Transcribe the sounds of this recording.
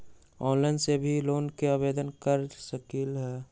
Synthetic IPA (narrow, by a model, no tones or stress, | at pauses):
ɔːnlaɪnsebʱiloːnkeabeːd̪ənkəɾsəkilɦɛː